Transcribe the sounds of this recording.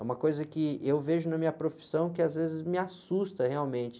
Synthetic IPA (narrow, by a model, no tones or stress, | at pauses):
ɛũmɐkojzɐkɪewveʒʊnɐmĩɲɐpɾofi̥sɐ̃w̃kɪazvezɪzmɪasust̪ɐheawmẽnt͡ʃɪ̥